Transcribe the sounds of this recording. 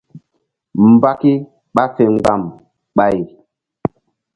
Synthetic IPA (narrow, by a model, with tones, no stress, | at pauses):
m˨ba˦ki˦ | ɓa˦fe˨ŋɡ͡ba˦˨m | ɓa˦j